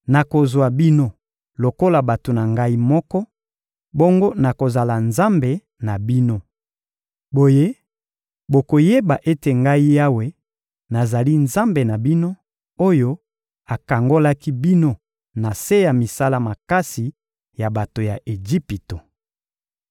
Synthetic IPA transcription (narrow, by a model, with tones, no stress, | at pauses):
na˨ko˨zwa˨bi˦no˦ | lo˨ko˦la˨ba˨to˨na˨ŋɡa˦i˦mɔ˦kɔ˦ | bo˦ŋɡo˦na˨ko˨za˨la˨nza˦mbe˨ | na˨bi˦no˦ | bo˨je˦ | bo˨ko˨je˦ba˨ʔe˦te˨ŋɡa˦i˦ja˦we˦ | na˨za˨li˦nza˦mbe˨na˨bi˦no˦ | o˦jo˦ | a˨ka˨ŋɡo˦la˦ki˦bi˦no˦ | na˨se˦ja˨mi˨sa˦la˦ma˨ka˦si˨ | ja˨ba˨to˨ja˨ʔe˨ʒi˦pi˨to˨